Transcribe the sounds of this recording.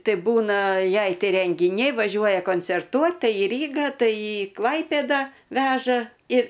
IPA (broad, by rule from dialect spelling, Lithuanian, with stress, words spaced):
ˈtɐɪ ˈbuːnɐ ˈjɛɪ ˈtɐɪ rʲɛŋʲɡʲɪˈnʲɛɪ ʋɐˈʒʲuɔjɛ koːnʲt͡sʲɛrˈtuɔt ˈtɐɪ iː ˈrʲiːɡɑː ˈtɐɪ ɪ ˈklˠɐɪpʲeːdɐ ˈʋʲæːʒɐ ɪr